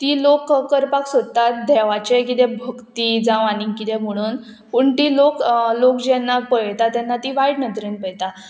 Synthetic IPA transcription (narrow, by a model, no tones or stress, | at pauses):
t̪iːlokːəɾpaksod̪t̪at̪̚d̪ʱɛʋat͡ɕekit̪ɛ̃bʱəkt̪id͡zãʋañikit̪ɛ̃m̤əɽ̃uːn | pəɳt̪iːloklokd͡ʑɛnːapəjt̪at̪jɛnːat̪iːʋaiʈnət̪ɾenpəjt̪a